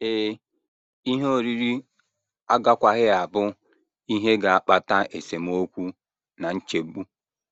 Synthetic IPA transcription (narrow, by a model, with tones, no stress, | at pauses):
eː˦ | i˦ɦo˦ɾi˦ɾi˦ | a˦ɡa˦kʷa˨ɦɪ˦a˨bʊ˦ | i˦ɦe˦ɡa˨a˦˨k͡pa˨ta˦e˨se˨m˦o˦kʷu˦ | na˨n̩˦t͡ʃe˨˦ɡ͡bu˦